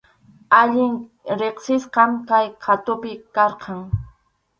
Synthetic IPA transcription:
aʎɪŋ | ɾeχsɪsqɑmkajqʰat̪ʊpɪkɑɾqʰɑŋ

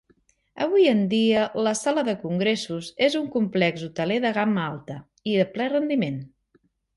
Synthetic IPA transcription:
əβ̞ujənd̪iələsaləðəkuŋɡɾesuzezuŋkumplɛɡzut̪əleðəɣ̞amalˠt̪ə | iðəplɛrənd̪imen

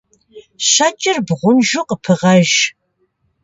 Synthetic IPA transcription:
ɕɐt͡ʃʼɪrbʁʷʊnʒʊqəpʰɨʁɐʒ

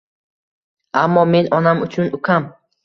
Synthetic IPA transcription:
amːɔmenɔnamut͡ʃʰunukʰam

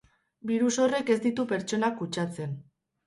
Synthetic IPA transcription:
biɾuso̞re̞ke̞zd̪it̪upe̞ɾt͡ʃo̞nakut͡ʃat͡se̞n

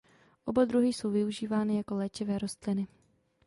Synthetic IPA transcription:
ʔo̞bad̪ɾuɦɪso̞wvɪuʒiːvaːnɪjako̞lɛːt͡ʃɪvɛːɾo̞st̪lɪnɪ

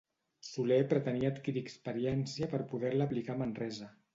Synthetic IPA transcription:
sulepɾət̪əniəːt̪kiɾiəkspəɾijɛnsiəpəɾpuð̞ɛɾləːplikamənrɛzə

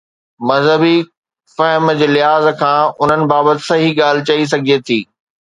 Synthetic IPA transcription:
mɐzɦəbi | fɐɦməd͡ʑeːlɪɦaːzkʰãːʊn̤ənɪ̆baːbət̪ɪ̥sɐɦiɠaːl̤ɪt͡ɕais̬ɐɡʱiet̪ʰiː

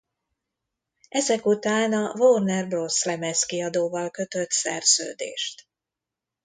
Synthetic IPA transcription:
ɛzɛkut̪aːnɒvoːrnɛrbroslɛmɛskiɒd̪oːvɒlkø̞t̪øt̪sɛ̰rz̥ø̰ːd̪ḛːʃt̪

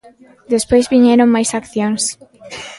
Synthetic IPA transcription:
d̪espojzβiɲeɾõŋmajsakθjons

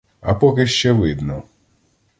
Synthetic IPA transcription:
ɐpɔkɪʃt͡ʃɛʋɪd̪nɔ

